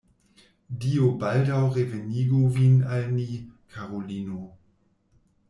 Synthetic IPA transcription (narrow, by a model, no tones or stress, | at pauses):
diobaldawʁeveniɡovinalnikʰaʁoliːno